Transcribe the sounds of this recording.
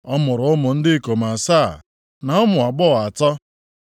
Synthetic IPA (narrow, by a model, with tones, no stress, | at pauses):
ɔ˦mʊ˨ɾʊ˨˦mʊ˨n̩˦dɪ˦˨ko˨ma˨sa˦˨ | na˨ɔ˦mʊ˨a˨ɡ͡bɔ˦˨a˨tɔ˦